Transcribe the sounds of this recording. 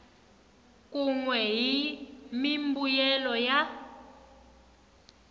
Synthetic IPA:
k̬ʼuŋwɛɦimimbujɛlɔja

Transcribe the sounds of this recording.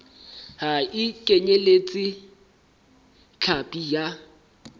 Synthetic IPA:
haɪkʼeɲelet͡sʼi | t͡ɬʰapʼija

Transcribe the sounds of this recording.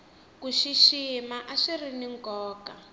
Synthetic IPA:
kuʃiʃimaʔaʃiriniŋɡɔːka

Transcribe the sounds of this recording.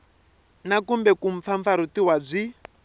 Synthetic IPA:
nakumbɛkuɱ̩p̪faɱfaɾut̪iwab͡ʐʷi

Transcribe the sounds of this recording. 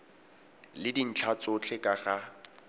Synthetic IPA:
lɪdin̩t͡ɬʰat͡sʊt͡ɬʰekʼaɣa

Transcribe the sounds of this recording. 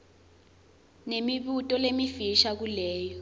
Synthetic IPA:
nemiɓutʼɔlemifiʃak̬ulɛːjɔ

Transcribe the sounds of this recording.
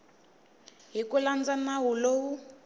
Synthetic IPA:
ɦikuland͡zanaɦulowu

